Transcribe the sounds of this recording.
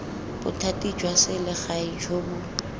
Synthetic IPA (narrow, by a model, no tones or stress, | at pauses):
b̥ʊtʰatʼid͡ʒwasɪlɪχaid͡ʒʰobʊ